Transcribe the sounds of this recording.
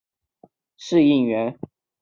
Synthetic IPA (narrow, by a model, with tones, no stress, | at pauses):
ʂɻ̩˥˧i˥˩ŋɥɛ˧˥n